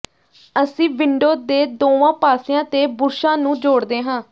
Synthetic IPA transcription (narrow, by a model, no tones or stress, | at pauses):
əsĩːʋɪɳɖoːd̪eːd̪oːʋãːpaːsɪjãːt̪eːbʊɾʃãːnũːd͡ʒoːɽd̪eːɦãː